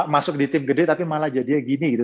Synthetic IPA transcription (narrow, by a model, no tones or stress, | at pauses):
masʊk̚dit̪ɪmɡədɛt̪apimalad͡ʒadiaɡiniɡit̪u